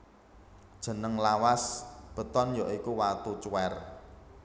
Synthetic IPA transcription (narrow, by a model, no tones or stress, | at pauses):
d̥ʒ̥ə̤nəŋlawasb̥ə̤t̪ɔnjɔʔikuwat̪ut͡ʃuwɛr